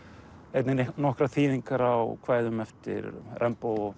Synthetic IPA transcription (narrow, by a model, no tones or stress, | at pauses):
ejt̪nɪnnɔhkɾaθiːðiŋkaɾawkʰvaːjðʏmɛft̪ɪ̰ɾrʔɛmpow